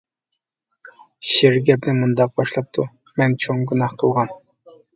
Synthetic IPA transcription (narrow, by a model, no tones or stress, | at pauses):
ʃeɾɡʲɛpnɪmund̪ɑq̚bɑʃlˠɑp̚t̪ʰu | mɛnt͡ʃʰoŋɡʲunɑhqʰəlˠʁɑn